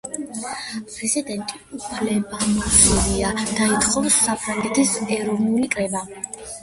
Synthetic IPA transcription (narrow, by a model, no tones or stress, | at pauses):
pʼɾɛzid̪ɛnt̪ʼiupʰlɛbamɔzɛviad̪̥ait̪ʰʼχʰʼɔvsːapʰɾaŋɡɛt̪ʰisɛɾɔvnulikʼɾɛba